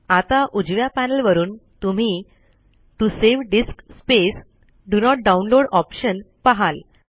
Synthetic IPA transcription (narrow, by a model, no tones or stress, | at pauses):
at̪aʔud͡ʑʋjapænəlʋəɾuːnt̪um̤i | ʈuseʋɖiskspes | ɖunɔʈ̚ɖaunloɽɔpɕən | paɦal